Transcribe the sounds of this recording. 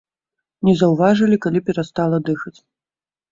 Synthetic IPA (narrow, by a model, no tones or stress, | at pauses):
nʲɛzɐwvaʐɐlʲikalʲipʲɛɾast̪alˠɐd̪ɨxɐt͡sʲ